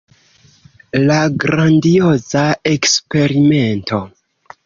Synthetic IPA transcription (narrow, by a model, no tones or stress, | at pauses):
laɡɾandio̞zae̞kspe̞ɾime̞nto̞